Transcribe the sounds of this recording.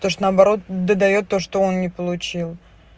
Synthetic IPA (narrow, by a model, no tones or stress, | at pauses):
t̪oʂt̪onəɐbɐɾo̞t̪d̪əd̪ɐjo̞t̪ːo̞ʂt̪oo̞nnʲɪpəlˠʊt͡ɕilˠ